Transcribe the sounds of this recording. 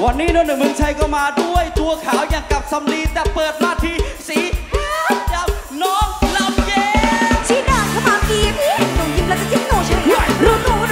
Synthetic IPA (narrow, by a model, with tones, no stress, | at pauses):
wa˨˧˩nːiː˦˥˩nɔː˧nɯ˨˩mɯ˧ŋt͡ɕʰa˧jkɔː˧˩maː˧du˥˩əjt̪u˧əkʰaː˨˩˦wjaː˨˩ŋka˨˩p̚sa˧mli˧t̪ɛː˨˩pɤː˨˩t̪̚maː˧t̪ʰiː˧˩siː˨˩˦ | ja˧˩m | nɔː˦˥ŋla˧mjeː˧˦t͡ɕʰi˧˦naː˧˩kʰːmaː˧˩ki˧˩m˦˧˩t̪o˧˩ŋji˧mlaː˧˩a˧k̪ʰi˦˥˩ŋoː˧˩t͡ɕʰa˧˥lu˧˩o˧˩˧